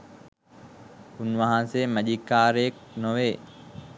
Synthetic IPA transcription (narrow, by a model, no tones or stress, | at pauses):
ʊnʋɐɦãseːmɐʄikaːɾeːk̚noʋeː